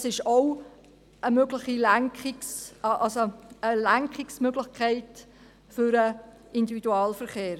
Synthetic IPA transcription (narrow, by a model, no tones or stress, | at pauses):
sɪʃoʊ | əmøɡlɪχilæŋkχɪksʔɑlsoəlæŋkχɪksmøɡlɪχkʰæɪt | fʏɾə | ɪndividuɑːlfəɾχeːɾ